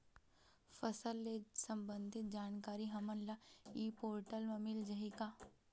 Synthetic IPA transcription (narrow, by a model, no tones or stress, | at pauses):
fɐsəlːeːsɐmbə̃nd̪ʱɪt̪̚d͡ʒaːnkaːɾiɦɐmənlaiːpoːɾʈəlmɐmɪld͡ʒɐɦikaː